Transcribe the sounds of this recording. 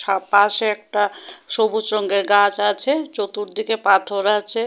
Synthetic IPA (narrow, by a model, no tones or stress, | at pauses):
ʃapaʃeɛk̚ʈaʃobusɾoŋɡeɾɡat͡ɕat͡ɕʰet͡ɕot̪uɾd̪ikepat̪ʰoɾat͡ɕʰe